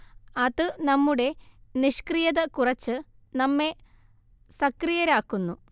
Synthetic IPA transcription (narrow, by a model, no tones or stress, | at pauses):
ɐðɨnɐmːuɽe̞niʂkrijɐðɐkurɐt͡ɕːɨ | nɐmːe̞ | sɐkrijɐɾaːkːunːu